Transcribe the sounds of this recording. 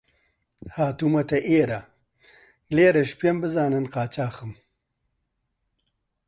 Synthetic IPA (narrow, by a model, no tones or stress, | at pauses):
haːt̪umɐt̪ɐʔeːɾa | leːɾɐʃpijɐmbəzaːnɐnqaːt͡ɕaːxəm